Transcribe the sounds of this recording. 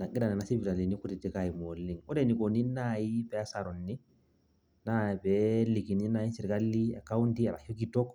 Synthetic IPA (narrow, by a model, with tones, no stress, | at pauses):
na˨ɡi˦da˨nɛ˨na˨si˦bi˨ɾa˨li˨ni˦ku˦ti˨tikaji˨molːi˨ŋɔ˦dɛ˦ni˨koni˦naji˦bɛa˦sa˨ɾɔ˨nːi˦ | na˨bɛli˨ki˨ni˦na˨ji˦si˨ɾka˦lːi˦ɛ̰˨ka˦wundia˨ɾa̰˨ho˦ɡitɔ˦k